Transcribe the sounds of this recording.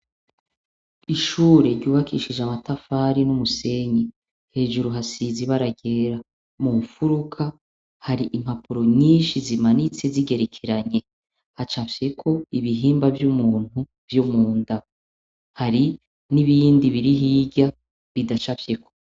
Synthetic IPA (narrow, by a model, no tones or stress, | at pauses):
iʃuːɾe̞ɾɟuːβakʰiʃid͡ʒamatafaɾinumuse̞ɲe | he̞ːʒuɾuɦasiziβaɾaɟe̞ɾa | mufuɾukʰa | haɾiʔim̥hapʰuɾo̞ɲiːnʃizimanit͡se̞ziɡe̞ɾekʰeɾaɲe̞ | hat͡ʃafje̞kʰo̞iβiɦiːmbavjumuːn̥u | vjomuːnda | haɾi | niβiːndiβiɾiɦiːɟa | βidaʃafje̞kʰo̞̥